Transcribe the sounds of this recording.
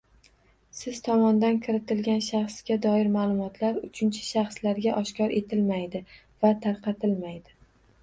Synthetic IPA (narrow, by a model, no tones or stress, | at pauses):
sɪz̥t̪ʰɒmɒnd̪ankʲʰɪɾɪt̪ɪlɡʲanʃɑχsɡʲad̪ɒɪɾmaːlˠʊmɒt̪ʰlaɾʊt͡ʃʰɪnt͡ʃʰɪ̥ʃɑχslaɾɡʲaʔɒʃkʲʰɒɾʔe̞t̪ʰɪlmajd̪ɪ | vat̪ʰaɾqʰɑt̪ʰɪlmajd̪ɪ